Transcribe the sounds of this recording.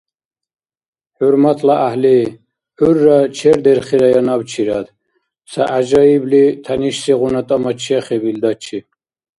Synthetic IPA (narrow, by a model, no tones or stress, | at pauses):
ħuɾmat̪ʰlaʔahli | uɾːat͡ʃʰɛɾd̪ɛɾχiɾajanabt͡ʃʰiɾad̪ | saʔaʒaiblit̪ʰaniʃsiʁunat̪ʼamat͡ʃʰiaχɛbild̪at͡ʃʰi